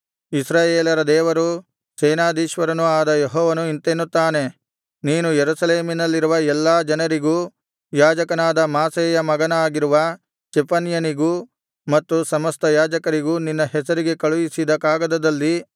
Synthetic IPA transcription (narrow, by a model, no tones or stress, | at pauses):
isɾaːjeːlɐɾɐd̪ɛːʋɐɾu | sɛːnaːd̪iːʃʋɐɾɐnuaːd̪ɐjeɦɔːʋɐnuint̪enːut̪ːaːne̞ | niːnujeɾusɐleːminɐlːiɾuʋɐɛlːaːd͡ʒɐnɐɾiɡuː | jaːd͡ʒɐkɐnaːd̪ɐmaːsɛːjɐmɐɡɐnɐaːɡiɾuʋɐ | t͡ʃɛpɐnjɐniɡuː | mɐt̪ːusɐmɐst̪ɐjaːd͡ʒɐkɐɾiɡuːninːɐɦɛsɐɾiɡe̞kɐɭujisid̪ɐkaːɡɐd̪ɐd̪ɐlːi